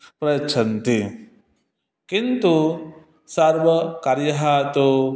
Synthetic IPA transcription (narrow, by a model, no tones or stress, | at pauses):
pɾɐjɐtːt͡ʃʰɐnt̪i | kint̪u | sɐɾʋɐkaɾjɐɦat̪o